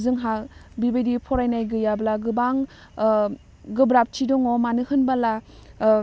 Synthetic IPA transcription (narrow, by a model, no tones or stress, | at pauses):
zɯŋɦabibejdipʰɔɾajnajɡɯjablaɡɯbaŋ | ɡɯbɾap̚tʰidɔŋɔmanɯhɯnbala